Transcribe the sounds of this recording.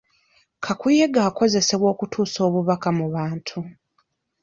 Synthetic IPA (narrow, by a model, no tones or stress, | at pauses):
kʰakuje̞ɡaːko̞ze̞se̞βwo̞ːkutʰuːso̞ːβuβakamuβaːntʰu